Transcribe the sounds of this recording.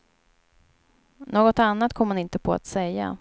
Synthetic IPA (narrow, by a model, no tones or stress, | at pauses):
noːɡɔt̪anːat̪̚ːkʰɔmːanɪnt̪əpʰɔa̰t̪sɛjːa̰